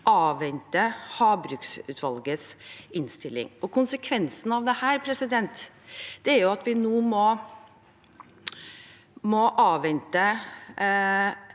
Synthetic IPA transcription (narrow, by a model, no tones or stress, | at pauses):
ʔɑːʋɛnt̪əhɑːbɾʉːksʉ̰ːt̪ʰʋɑlɡət̪sɪnst̪ɪlːɪ̰ŋɔkʰʊnsəkʰʋɛnsən̩ɑʋd̪ɛhæːɾpʰɾɛsɪd̪ɛnt̪ | d̪̥ɛæɾjʊɑt̪ʋɪnoːmɔ | mɔʔɑːʋɛnt̪ə